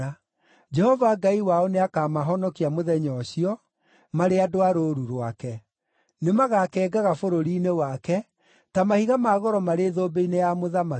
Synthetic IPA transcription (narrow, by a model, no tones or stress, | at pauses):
a | d͡ʒɛhɔvaɡaiwaɔneakamaɦɔnɔkiamoðɛɲɔɕiɔ | maɾeadoaɾoːɾuɾwakɛ | nemaɣakɛːɡaɣafoɾoɾiːnewakɛ | tamahiɣamaːɣɔɾɔmaɾeːðoːbeinejamoðama